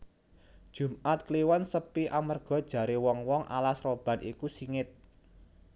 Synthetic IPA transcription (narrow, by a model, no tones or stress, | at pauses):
d̥ʒ̥ṳmʔat̪̚kliwansəpiʔamərɡ̥ɔ̤d̥ʒ̥a̤ɾewɔŋwɔŋʔa̰lasrob̥a̤nḭkusiŋɪt̪̚